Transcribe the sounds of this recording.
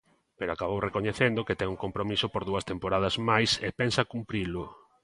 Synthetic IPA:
peɾoakaβowrekoɲeθend̪oket̪ɛŋuŋkompɾomisʊpoɾðuɐst̪empoɾað̞ɐzmajsepɛnsɐkumpɾilʊ

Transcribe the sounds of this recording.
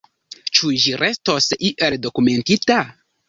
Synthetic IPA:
t͡ʃuʒiɾʔe̞sto̞siʔeldo̞kume̞ntita

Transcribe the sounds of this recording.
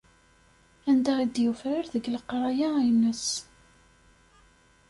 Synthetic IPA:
ænd̪æʁid̪jufɾaɾðəɡləqːɾˤɑjainːəs

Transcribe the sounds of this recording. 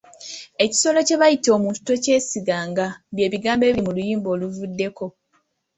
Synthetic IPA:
e̞ci̥so̞lo̞ce̞βajitomuntu̥to̞ce̞ːsiɡaːŋɡabje̞ːβiɡaːmbe̞βiimulujiːmbo̞ːluvudːe̞ko̞

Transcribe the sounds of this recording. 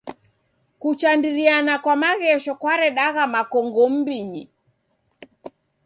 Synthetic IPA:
kut͡ʃandiɾianakwamaɣɛʃɔkwaɾɛɗaɣamakɔŋɡɔm̩biɲi

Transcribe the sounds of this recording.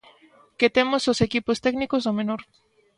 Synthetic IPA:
ket̪emososekipost̪ɛknikosomenoɾ

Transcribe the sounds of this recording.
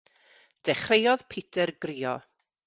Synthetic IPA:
d̥ɛχrejɔð̥pʰitʰɛrɡriːɔ̰

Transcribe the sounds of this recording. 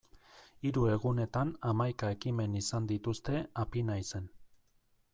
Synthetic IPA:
iɾue̞ɣune̞t̪anamajkae̞kime̞nisand̪it̪ust̪e̞apinajse̞n

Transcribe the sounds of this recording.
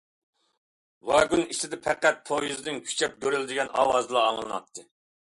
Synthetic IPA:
wɑɡʲyniʃɪd̪ɪpʰɛqːæt̪̚pʰojuzɨnɪŋkʲʰy̥t͡ʃʰɛp̚ɡʲøɾyld̪ɪɡʲɛnɑ̰ːwɑzɨlˠɑːŋlˠɨnɑ̰t̪ʰːɨ

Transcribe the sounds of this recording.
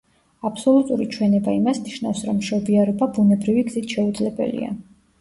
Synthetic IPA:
apʰsɔlˠut̪ʼuɾit͡ʃʰwɛnɛbaimasniʃnavsɾɔmːʃɔbiaɾɔbabunɛbɾiviɡzit̪ʰʃɛud̪zlɛbɛ̰lḭa̰

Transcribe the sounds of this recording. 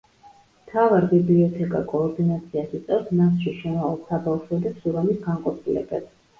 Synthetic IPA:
mt̪ʰavaɾbibliɔt̪ʰɛkʼa̰kʼɔːɾd̪inat̪sʰiasit̪sʼɛvɾsmasʃiʃɛnaɔsabafʃɛd̪ɛpsuɾɔmisɡanqʼɔp̪ʰilɛ̰bɛbs

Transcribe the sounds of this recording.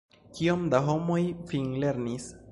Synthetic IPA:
kio̞md̪aɦo̞mo̞jfiŋle̞ɾnis

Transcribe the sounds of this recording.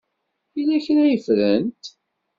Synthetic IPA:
ilːæçnæjəfɾənt̪

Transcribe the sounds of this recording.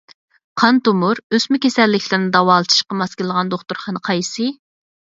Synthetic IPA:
qʰɑnt̪umuɾøsmykʲʰesɛlːɪkʲʰlɪɾnɪd̪ɑwɑːlˠɨt̪ʰɨ̥ʃqəmɑskʲɪlːəʁɑnd̪oχt̪uɾχɑnəqʰɑjsɨ

